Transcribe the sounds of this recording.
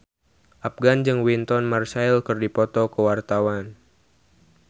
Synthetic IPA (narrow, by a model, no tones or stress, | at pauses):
ʔap̚ɡand͡ʒɨŋwint̪ɔnmarsailkɨrdipɔt̪ɔkəwart̪awan